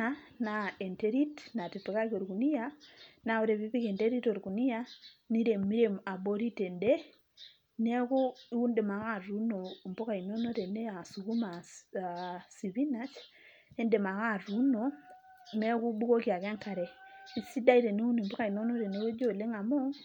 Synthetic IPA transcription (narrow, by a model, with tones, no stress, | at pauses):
a˦na˨e˨nte˦ɾi˦tna˨ti˨tu˨ka˦ko˨ɾku˨ni˦ja˦na˨o˨˦ɾe˨βi˦pi˦ke˨nde˦ɾi˦to˨ɾku˨ni˦ja˦ni˦ɾe˨mːi˦ɾe˨ma˨bo˦ɾi˦te˨nde˦ | nɛ˦ku˦i˦u˦nde˨ma˨ka˦˨ɾu˦no˨mbo˦ka˨i˨no˦no˦ɾe˨ne˦a˨su˨ku˦ma˨a˨si˨βi˦na˦t͡ʃ | e˦nde˨ma˨ka˦˨ɾu˦no˨ | mɛ˦ku˦bu˦ko˦ki˨a˨ka˦ŋka˨ɾɛ˨i˨si˦da˦i˦te˨ne˦u˦ni˨mbɔ˦ka˨i˨no˦no˦ɾe˨ne˦jo˦d͡ʒo˦˨le˦ŋa˨mɔ˦ŋ